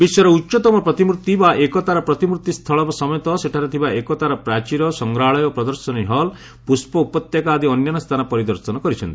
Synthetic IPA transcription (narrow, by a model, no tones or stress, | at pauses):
biswɔɾɔutːt͡ʃɔt̪ɔmɔpɾɔt̪imuɾt̪ibaʔekɔt̪aɾɔpɾɔt̪imuɾt̪ist̪ʰɔɭɔbasɔmɔjɔt̪ɔseʈʰaɾet̪ʰibaʔekɔt̪aɾɔpɾat͡ʃiɾɔsɔŋɡɾaɭɔjɔpɾɔd̪ɔɾsɔniɦɔl | puspɔupɔt̪jakaːd̪iɔnjɔnɔst̪ʰanapɔɾid̪ɔɾsɔnɔkɔɾit͡ʃʰɔnt̪i